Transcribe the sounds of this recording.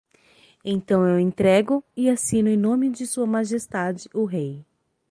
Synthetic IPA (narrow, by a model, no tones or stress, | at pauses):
ẽj̃t̪ɐ̃w̃ewẽnt̪ɾɛɡʊɪasĩnʊẽj̃nõmɪd͡ʒɪsuɐmaʒest̪ad͡ʒɪʔʊɦej